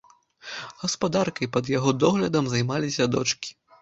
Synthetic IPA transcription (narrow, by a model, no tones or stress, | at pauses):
ɣɐspad̪arkɐjpɐd̪jaɣɔd̪ɔɣlʲɐd̪ɐmzajmalʲisʲɐd̪ɔt͡ʂkʲi̥